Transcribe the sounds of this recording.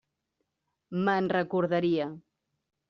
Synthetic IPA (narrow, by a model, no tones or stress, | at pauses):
mənrəkuɾðəɾiə